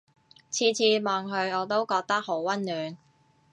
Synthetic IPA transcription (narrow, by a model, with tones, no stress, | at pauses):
t͡sʰiː˧t͡sʰiː˧mɔː˨˧ŋɦɵ˨˧ɥɔː˨˧t̪o˥wkɔː˧k̚t̪ɐ˥k̚ho˨˥wwɐ˥nlyː˨˧n